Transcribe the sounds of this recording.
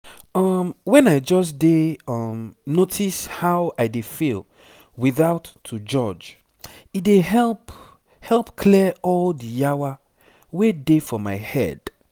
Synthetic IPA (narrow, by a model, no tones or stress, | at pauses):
ɔmwɛ̃naɪd͡ʒɔs̬deʌmnotʰishaʊaɪdefil | wiθaʊtʰːud͡ʒɔd͡ʒ | idehɛlp | hɛlˠpkʰliɔldijawa | wedefɔmaɪhɛ̰d̥